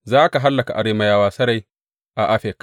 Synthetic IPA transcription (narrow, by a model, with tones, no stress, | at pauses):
zaː˦ka˨ɦa˦lːɐ˨ka˨ʔa˨ɾeː˦ma˨jaː˦waː˦sɐ˦ɾa˨j | ʔa˨ʔa˦ɸɛ˨k